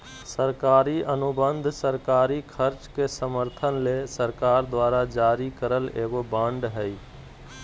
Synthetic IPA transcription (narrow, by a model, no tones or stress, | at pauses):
səɾkaːɾiənʊbə̃nd̪ʱsəɾkaːɾikʰəɾt͡ʃkesəməɾt̪ʰənlesəɾkaːɾd̪waːɾad͡ʒaːɾikəɾəleːɡobãːɳɖɦɛi